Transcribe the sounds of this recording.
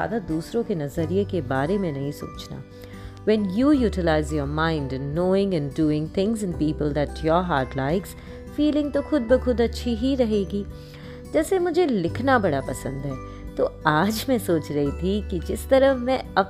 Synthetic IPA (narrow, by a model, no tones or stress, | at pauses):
a̰ːd̪ad̪uːsɾõkenɐzəɾiekebaːɾemẽnɐɦĩso̰ːt͡ʃna̰ | ʋɛ̃njuːjuːʈɪlaːɪzjɔːɾmãːɪ̃nɖnoːɪ̃ŋɛ̃nɖuːɪ̃ŋɡt̪ʰɪ̃ŋzɪ̃npiːpəld̪æʈʰjɔːɾɦaːɾʈlaɪks | fiːlɪ̃ŋɡt̪oxʊd̪̚bixʊd̪ɐtːʃʰiɦiɾɐɦeːɡiː | d͡ʒɛːsemʊd͡ʒʱelɪkʰnabɐɽapɐsə̰̃nd̪ɦɛː | t̪oaːd͡ʒmẽsoːt͡ʃɾɐɦit̪ʰikid͡ʒɪst̪ɐɾəmɛ̃ɐ